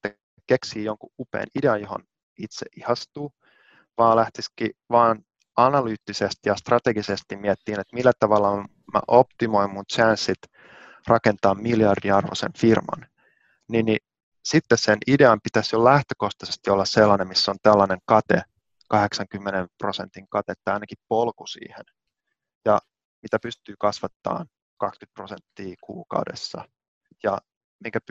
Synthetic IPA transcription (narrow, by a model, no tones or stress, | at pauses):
et̪ːæ | keksiːjoŋkuʔupḛːnideɑnjoho̰n | it̪sḛʔihɑst̪uː | ʋɑːlæht̪iskiʋɑːn | ɑnɑlyt̪ːisest̪ijɑst̪rɑt̪eɡisest̪immiɛt̪ːiːnet̪milːæt̪ɑʋɑlːɑ | mæ̰ʔopt̪imoimmunt͡ʃænsːit̪ | rʔɑkent̪ɑːmmiljɑrdiɑrʋo̰sḛnfirmɑ̰n | ninːi | sit̪ːessenʔideɑmpit̪æsjolæht̪øko̞ht̪ɑsest̪iolːɑsselːɑnemmisːont̪ælːɑneŋkɑt̪e | kɑheksɑŋkymːenemprosḛnt̪iŋkɑt̪et̪ːæɑinɑkippolkusḭːhen | jɑ | mit̪æpyst̪yːkɑsʋɑt̪ːɑ̰ːn | kɑkskyt̪̚prosent̪ːiːkṵːkɑ̰wdḛsːɑ̰ | jɑ | miŋkæp